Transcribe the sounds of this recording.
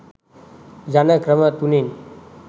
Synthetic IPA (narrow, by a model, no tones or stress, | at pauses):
d͡ʑanəkɾəmət̪unin